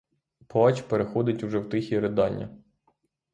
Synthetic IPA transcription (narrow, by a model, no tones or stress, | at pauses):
pɔɑt͡ʃʲpeɾexɔd̪ɪtʲuʒɛwt̪ɪxʲiɾed̪ɑnʲːɐ̰